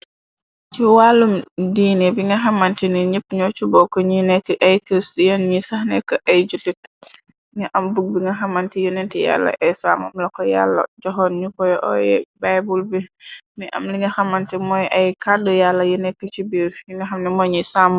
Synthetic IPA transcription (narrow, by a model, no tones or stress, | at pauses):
t͡ʃiwalumdiːnibiŋɡɐxamantiniɲəp̚ːɲɔt͡ʃubɔkɔɲinɛkːəʔajkɾistjanɲisahnɛkːɔʔajd͡ʒutit̚ | ŋɐʔambuɡ̚biŋɡɐxamːantijunɛntɛja̰lːɐ̰ʔɛjsa̰ːmamlɐkɔja̰lːɐ̰d͡ʒɔɦɔnɲukɔjɔʔɔ̰jɛ̰bajbulbimiʔa̰mliŋɡɐxamantɛmɔjʔɐjkadɔjalːɐjunɛkːət͡ʃibiɾbiŋɡɐɦamnimɔɲisam